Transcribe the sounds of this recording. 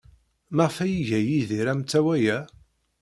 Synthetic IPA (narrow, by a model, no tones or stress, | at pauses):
məʁfæjiʝæjiðiɾæmt͡sːæwæjæ